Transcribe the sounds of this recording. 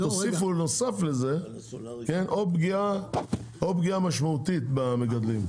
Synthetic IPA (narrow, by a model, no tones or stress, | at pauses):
t̪osifunosafleze | kenʔobɡia | obɡiamaʃmaut̪it̪bameɡad̪lim